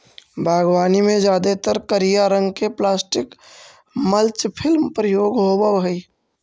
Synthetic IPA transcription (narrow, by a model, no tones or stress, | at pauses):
bʱaːɡwaːnimẽd͡ʒjaːd̪et̪əɾkəɾijaɾə̃ŋɡkeplaːsʈɪk | məlt͡ʃpʰɪlmpɾəjoːɡɦobəʋɦəi